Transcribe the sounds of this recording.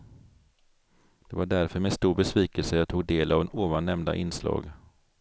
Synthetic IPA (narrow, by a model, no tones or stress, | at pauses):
d̪̥ɛvaɖæɾfœɾmeːst̪uːɾbɛsviːkəlsəjɑːt̪ʰuːɡd̪eːlavnuːvanːɛmd̪a̰ʔɪnslɑ̰ːɡ